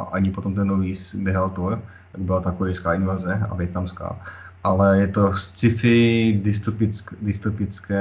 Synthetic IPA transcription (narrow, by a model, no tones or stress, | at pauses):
ʔaɲɪpot̪omt̪ɛnːoviːsbjɛɦalt̪uɾ | jaɡbɪlat̪akuɾɪjskaːʔɪnvazɛa̰vjɛt̪namska̰ːʔalɛjɛt̪ost͡sɪfɪdɪst̪opɪt͡skdɪst̪opɪt͡skɛː